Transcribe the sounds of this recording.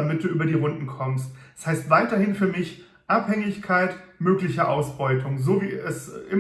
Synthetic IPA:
amɪt̚d̥uːʔyːbɐdiːʁʊndn̩kʰɔmstshaɪstv̥aɪtɐhɪnfyːɐmɪç | ʔaphɛŋɪçkʰaɪtmøːklɪçəʔaʊsb̥ɔʏtʰʊŋzoːviːɛsʔɪ

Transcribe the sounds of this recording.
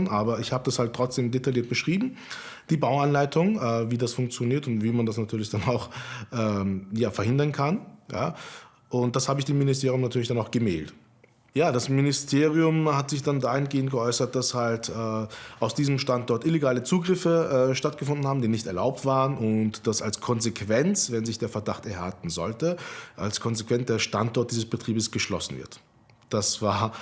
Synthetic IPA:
nʔaːbɐɪçhaːbədashaltːʁ̥ɔt͡sd̥eːmdetʰaljiːɐt̚b̥əʃʁ̥iːbm̩ | d̥iːbaʊanlaɪtʰʊŋʔɛːviːdasfʊŋk̚t͡sjoniːɐtʊntv̥iːmandasnatʰyːɐlɪçd̥anaʊxʔɛːjaːfɛɐhɦɪndɐnkʰanja̰ː | ʔʊnt̚d̥ashaːbəɪçd̥eːmːɪnɪstʰeːɐʁjʊmnatʰyːɐlɪçd̥anaʊxɡ̥əmɛ̰ːlt | jaːdasmɪnɪstʰeːʁiʊmhatz̥ɪçd̥andaːhɪnɡeːənt̚ɡ̥əʔɔʏsɐt̚d̥ashaltʔɛːʔaʊsd̥iːzəmʃtantʔɔɐtʔɪleɡaːlət͡suːɡʁɪfəʔɛːʃtat̚ɡ̥əfʊndn̩haːbm̩diːnɪçtɛɐlaʊp̚tv̥aːʁənʔʊntd̥asalskʰɔnzekʰv̥ɛnt͡svɛnzɪçd̥eːɐfɛɐdaχtɛɐha̰ltn̩zɔ̰ltəʔa̰lskʰɔnzekv̥ɛnt͡sd̥eːɐʃtantʔɔɐt̚d̥iːzəsb̥ətʁ̥iːbəsɡ̥əʃlɔ̰sn̩vɪ̰ɐt | d̥asv̥aːɐ

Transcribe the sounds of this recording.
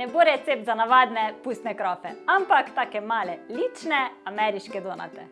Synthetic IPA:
nɛboɾɛt̪sep̚t̪zanaʋad̪nɛpust̪nɛkɾɔfɛampakt̪aːkɛmaːlɛlit͡ʃnɛamɛɾiʃkɛd̪oːna̰t̪ɛ

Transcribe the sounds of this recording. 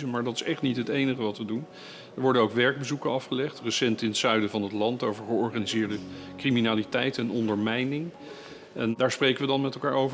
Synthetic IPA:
əmaːɹdɑtɪ̥sɛχtnitɦətejnəχəʋɑtʋədun | əɹʋɔɹdənowkʋɛɹɡ̚bəzukənɑfχəlɛχtrəsɛntɪnətsœɥdəvɑnɦətlɑntowvəɹχəɔɹχaːnizɪːɹdəkriminaːlitɛjtɛnɔndəɹmɛjnɪŋ | ʔɛndaːɹsprejkəʋədɑnmɛtɛlˠkaːɹowvə

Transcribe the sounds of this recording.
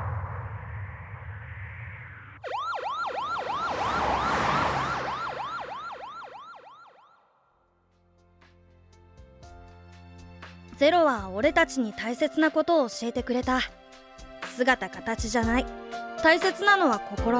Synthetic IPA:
d͡ze̞ɾo̞βao̞ɾe̞t̪at͡ɕiɲ̟it̪aise̞t͡sɨnako̞t̪o̞ːɕie̞t̪e̞kɯ̟ɾe̞t̪a | sɨɡat̪akat̪at͡ɕiʑanait̪aise̞t͡sɨnano̞βako̞ko̞ɾo

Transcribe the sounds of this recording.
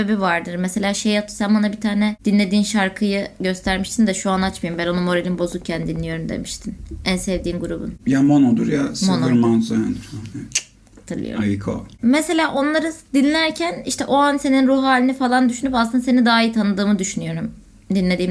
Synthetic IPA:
eebivaɾd̪ɯɾmese̞lʲaːʃejat̪ʰːɯ̥sænbonabit̪ʰaːnɛd̪̥inlʲe̞d̪iːnʃaɾkʰɯjɯɟø̞st̪ʰæɾmiʃt̪ʰind̪ɛʃuanat͡ʃmajimbæno̞numo̞ɾelʲinbo̞zuk̚cʰːænd̪inlʲːijo̞ɾumd̪e̞̰miʃt̪ʰinænsevd̪iːnɡuɾubṵnjamonod̪ṵɾjasmonoɾmanzajanani | at̪ʰɯlˠɯ̰jo̰ajikʰo̰mese̞lʲaːʔo̞nlˠaɾɯd̪inlʲæɾcʰæniʃt̪ʰɛʔo̞anse̞ninɾuɦaːlʲinifalˠand̪yʃynypasɯnd̪ase̞nid̪aːit̪ʰanɯd̪ɯːmɯd̪yʃynyjo̞ɾum | d̪inlʲe̞d̪iːm

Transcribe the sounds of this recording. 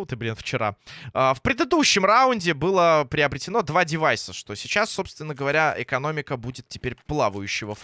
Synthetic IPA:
ot̪ɨblʲinft͡ɕɪɾa̰əfpɾʲɪd̪ɨd̪uɕːɪmraʊnʲdʲɪbɨlˠəpɾʲɪɐbɾʲɪtʲɪno̞d̪vadʲɪvajsəʂt̪o̞sʲɪt͡ɕasːo̞pst̪vʲɪnːəɡəvɐɾʲaɪ̰kɐno̞mʲɪkəbudʲɪt̪tʲɪ̥pʲeɾʲplˠavəjʉɕːɪvəf

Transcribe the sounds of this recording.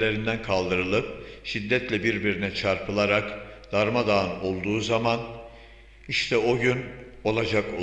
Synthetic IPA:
lʲe̞ɾind̪ænkʰalˠd̪ɯɾɯlˠɯp̚ʃid̪ːɛt̪lʲɛbiɾbiɾinɛt͡ʃʰaɾpʰɯlˠaɾakd̪̥aɾmad̪aːɯno̞lˠd̪uːzaman | iʃt̪ʰɛo̞ɟyn | o̞lˠad͡ʒako

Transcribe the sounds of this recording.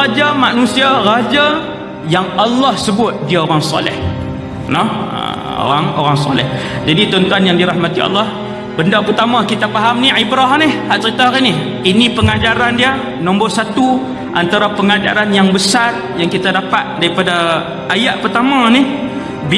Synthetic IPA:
ad͡ʒamaʔnũsiarad͡ʒa | jaŋalːɔhsəbʊt̪̚diaoɾaŋsɔ̰lɪ̰h | nɔə̰ | o̰ɾaŋoɾaŋsɔ̰lɛ̰h | d͡ʒadit̪ɔnt̪uanjaŋdiɾahmat̪iɑ̰lːɑh | bəndapərt̪amãkit̪apaɦamniʕibɾɔɦnɪhhaʔt͡ʃəɾit̪aɦaɣini | inipəŋad͡ʒaɾandia | nɔ̃mboʔsat̪u | ʔant̪aɾapəŋad͡ʒa̰ɾanjaŋbəsar | jaŋkit̪adapat̪̚daɾipada | ʔajaʔpərt̪amãni | bi

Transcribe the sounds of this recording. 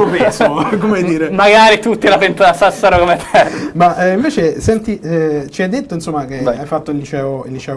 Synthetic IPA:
opeskomeajd̪iːɾemaɡaɾit̪ut̪ːilapent̪aasasːaɾokomet̪ɛmaʔiɱveːt͡ʃesɛnt̪it͡ʃiɛjd̪et̪ːoinsomːakeajfat̪ːoillit͡ʃɛːoinlit͡ʃɛːo

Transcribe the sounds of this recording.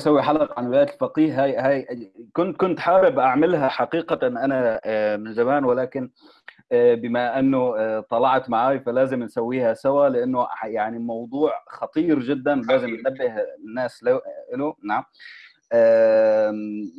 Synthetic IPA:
sawːiħalɑqʕanwɪlaːjlfɑqiːhɦajhaːjkʊnt̪̚kʊnt̪ħaːɾɪbʔaʕmɪlɦaħaqiːqanʔanamɪnzamaːnwɪlaːkɪn | bɪmaʔɪnːʊt̪ˤɑlɑʕt̪maʕaːjfalaːzɪmnsawːiːhasawalɪʔanːʊjaʕnimɑwd̪ˤuːʕxɑt̪ˤiːɾʒɪd̪ːanlaːzɪmʔnabːɪhnːaːslaʔɪlʊnaʕam | ʔaː

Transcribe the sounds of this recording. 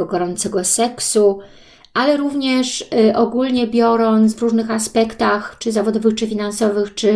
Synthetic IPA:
ɔɡɔɾɔnt̪sɛɡɔsɛksu | ʔalɛɾuvɲɛʂʔɔɡulɲɛbʲjɔɾɔnt̪svɾuʐnɘxaspɛkt̪axt͡ʂɘzavɔd̪ɔvɘxt͡ʂɘfʲinansɔvɘxt͡ʂɘ

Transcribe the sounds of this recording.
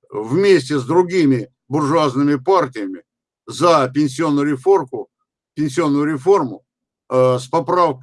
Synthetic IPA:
vmʲesʲtʲɪsd̪ɾʊɡʲimʲɪ | bʊrʐʊaznɨmʲɪpartʲɪjəmʲɪ | zapʲɪnʲsʲɪo̞nːʊjʊɾʲɪforkʊ | pʲɪnʲsʲɪo̞nːʊjʊɾʲɪfo̞rmʊ | spɐpɾafk

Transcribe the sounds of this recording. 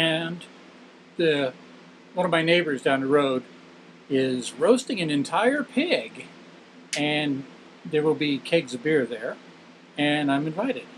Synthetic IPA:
ɨ̃n | ðɨ | wʌ̃nʌvmaɪneɪbə˞zdãʊ̃nðəɹoʊɾ | ɪzɹoʊstɪ̃ŋɨ̃nɨ̃ntʰaɪə˞pʰɪɡ | ɨ̃n | ðə˞wɪlˠbikʰeɪɡzʌvbɪɹðə˞ | ɨ̃nãɪ̃mɨ̃ɱvaɪɾɨd̥̚

